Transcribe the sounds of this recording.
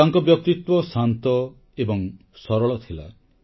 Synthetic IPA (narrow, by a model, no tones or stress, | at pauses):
aŋkɔbjɔk̚t̪it̪wɔsant̪ɔ | ebɔŋ | sɔɾɔɭɔt̪ʰila̰